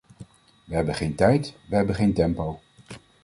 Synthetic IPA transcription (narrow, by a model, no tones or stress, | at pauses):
ʋəɦɛbənχejntɛjtʋəɦɛbənχejntɛmpow